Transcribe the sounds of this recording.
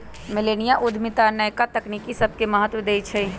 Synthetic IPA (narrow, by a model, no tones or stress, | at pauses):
mɪleːnijaʔʊd̪ʱmɪt̪anəjkat̪ɐknikisɐb̚keməɦət̪wɪd̪əit͡ʃʰɛi